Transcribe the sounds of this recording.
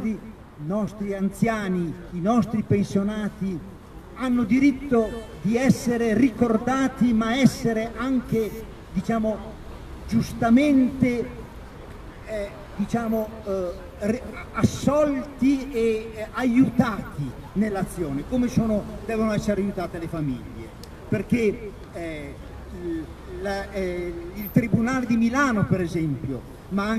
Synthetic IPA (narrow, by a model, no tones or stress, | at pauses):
i | nɔst̪ɾiant̪sjaːniːnɔst̪ɾipensjonaːt̪i | anːod̪iɾit̪ːod̪iɛsːeɾerikord̪aːt̪imaɛsːeɾeʔaŋk̟e | d̪it͡ʃaːmo | d͡ʒust̪ament̪e | d̪it͡ʃaːmo | rasːɔlt̪ieajut̪aːt̪i | nelːat̪sːjoːnekomesoːnod̪ɛːvonoɛsːeɾeajut̪aːt̪elefamḭʎːḛ | perk̟e | la | ilt̪ɾibunaːled̪imilaːnopeɾezɛmpjo̰ | maŋ